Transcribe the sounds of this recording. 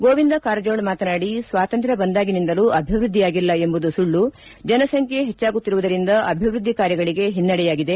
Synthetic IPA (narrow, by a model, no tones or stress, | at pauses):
ɡoːʋind̪ɐkaːɾɐd͡ʒoːɽmaːt̪ɐnaːɽisʋaːt̪ɐnt̪ɾɐbɐnd̪aːɡinind̪ɐluːʔɐbʱiʋɾud̪ʱːijaːɡilːɐe̞mbud̪usuɭːu | d͡ʒɐnɐsɐŋkʰjeɦet͡ʃːaːɡut̪ːiɾuʋud̪ɐɾind̪ɐʔɐbʱiʋɾud̪ʱːikaːɾjɐɡɐɭiɡe̞ɦinːɐɽɛjaːɡid̪e̞